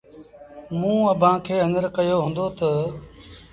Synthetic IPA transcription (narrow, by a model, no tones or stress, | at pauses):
mũːəbʱãːkʰeːə̃nəɾkəjoːɦʊ̃ːnd̪oːt̪ə